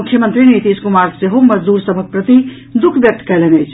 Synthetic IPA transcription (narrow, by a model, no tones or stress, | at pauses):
ukʰjəmənt̪ɾinet̪iskumaɾseɦoməd͡ʒd̪uːɾsəbʱək̚pɾət̪i | d̪ukʰbjək̚t̪ə̥kɛlenəjt͡ʃʰ